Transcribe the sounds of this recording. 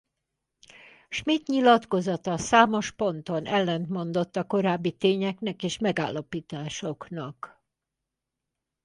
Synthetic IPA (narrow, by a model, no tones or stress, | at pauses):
ʃmiːt̪ɲilɒt̪ko̞zɒt̪ɒsaːmo̞ʃpo̞nt̪o̞nʔɛlːɛnt̪mo̞n̪d̪o̞t̪ːɒko̞ɾaːbːit̪eːɲɛknɛkeːʃmɛɡa̰ːlːɒpiːt̪aːʃo̞knɒk